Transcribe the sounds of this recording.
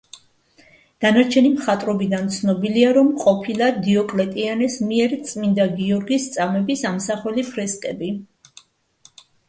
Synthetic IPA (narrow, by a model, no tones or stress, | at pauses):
d̪̥anaɾt͡ʃʰɛnimχat̪ʼɾɔbid̪ant̪sʰnɔbiliaɾɔmqʼɔpʰilˠad̪iɔkʼlɛt̪ʼianɛsmiɛɾt̪sʼmind̪aɡiɔɾɡist̪sʼamɛbisamsaχwɛlipʰɾɛskʼɛbi